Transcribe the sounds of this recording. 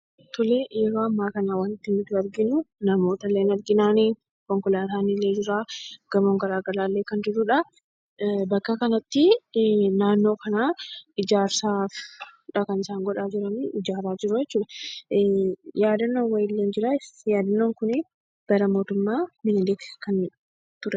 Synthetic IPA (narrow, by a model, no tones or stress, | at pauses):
t̪ʊleɛɾoːɐmːaːkɐnaːwanɪt̪ːɪmɪd̪ʊɐɾɡɪnʊnɐmo̞ːt̪ɐlːeːnɐɾɡɪnaːni | kɔŋkʊlaːt̪aːnilːe̞ːd͡ʒɪɾaːɡ̥ɐmoːŋɡɐɾaːɡɐlaːlːeːkɐnd͡ʒɪɾuᶑɐ | bɐkːɐkɐnɐt̪ːɪ | naːnːo̞ːkɐnaːɪd͡ʒaːɾsaːfᶑɐkɐnɪsaːŋɡɔᶑaːd͡ʒɪɾɐnɪɪd͡ʒaːɾaːd͡ʒɪɾʊjɛt͡ʃːuːᶑ̪ɐ | jaːd̪ɐnːoːnwɐjɪlːeːnd͡ʒɪɾajaːd̪ɐnːoːŋkʊnɪ | ɡ̥ɐɾɐmo̞ːt̪ʊmːaːmɪnɪlet̪kɐn | t̪ʊɾɛ